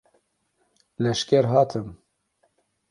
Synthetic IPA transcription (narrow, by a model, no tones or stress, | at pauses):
lɛʃkʲɛɾɦɑːt̪ʰɨm